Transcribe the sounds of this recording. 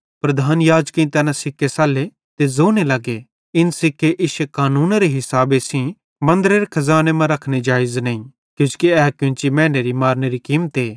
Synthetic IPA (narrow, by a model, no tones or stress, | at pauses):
pɾɐd̪ʱaːnjaːd͡ʒkĩĩt̪ɛːnãsɪkːesaːle | t̪ezoːñelɐɡe | ɪnsɪkːeʔɪʃekaːnũːnaɾeɦɪsaːbesĩ | mɐ̃nd̪əɾeɾekʰɐzaːnemãɾɐkʰñed͡ʒaːɪznɐĩ | kjʊ̃ːskiɛːkjʊ̃nt͡ʃimɛ̃ːneɾimaːɾneɾikiːmət̪eː